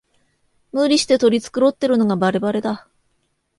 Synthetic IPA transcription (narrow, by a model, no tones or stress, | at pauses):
mɯːɾʲiɕi̥t̪e̞t̪o̞ɾʲit͡sɨ̥kɯ̟ɾo̞t̪ːe̞ɾɯ̟no̞ɡabaɾe̞baɾe̞d̪a